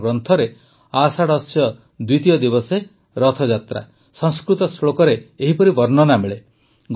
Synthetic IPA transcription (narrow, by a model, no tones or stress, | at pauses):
ɡɾɔnt̪ʰɔɾe | asaɽɔsjɔ | d̪wit̪ijɔd̪ibɔse | ɾɔt̪ʰɔd͡ʒat̪ɾa̰ | sɔŋskɾut̪ɔsɭokɔɾeːɦipɔɾibɔɾnɔnameɭe | ɡ